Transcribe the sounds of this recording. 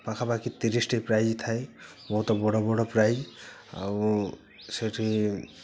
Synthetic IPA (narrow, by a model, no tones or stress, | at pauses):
pakʰapakit̪iɾisʈipɾajd͡ʒt̪ʰaj | bɔɦut̪ɔbɔɽɔbɔɽɔpɾajd͡ʒ | a̰w | seʈʰi